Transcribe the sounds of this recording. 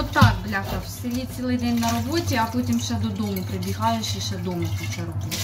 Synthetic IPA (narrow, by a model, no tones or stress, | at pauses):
ɔt̪ːɑkblʲaxɐwselʲit͡sʲsʲilˠɪjd̪ɛnʲnɐɾɔbɔtʲiɐpɔtʲimʃɛd̪ɔd̪ɔmʊpɾebʲiɦɑjʊt͡ʃɪʃɛd̪ɔmɐpʲit͡ʃɐrɦu